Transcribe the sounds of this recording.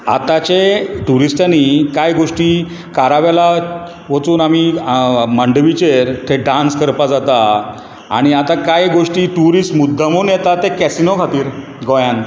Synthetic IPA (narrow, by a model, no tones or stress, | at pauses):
a̰t̪at͡ɕeʈuɾisʈanikajɡoʂʈiː | kaɾaʋjala | ʋət͡suːnamiməɳɖʋit͡ɕeɾt̪ʰeɖãnskəɾpad͡zat̪a | a̰ɽ̃iat̪akajɡoʂʈiːʈuɾiːsʈmud̪ʱːamonjɛt̪at̪ekɛsinokʰat̪iːɾ | ɡɔjan